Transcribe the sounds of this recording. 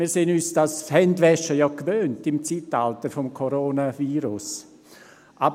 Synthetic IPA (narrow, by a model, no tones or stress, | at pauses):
miːɾseːnyːsd̥ashɛndʋɛʃəjɔkvøːntɪmt͡siːtaltəɾfɔmkʰoɾoːnaviːɾʊs | ʔab